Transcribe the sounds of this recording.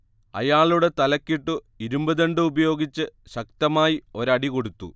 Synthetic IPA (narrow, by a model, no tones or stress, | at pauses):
ɐ̰jaːɭuɽe̞t̪ɐlɐkːiʈːu | iɾumbɐðɐɳɖɨubɐjo̞ːɡit͡ɕːɨɕɐk̚t̪ɐmaːjio̞ɾɐɽiko̞ɽut̪ːṵ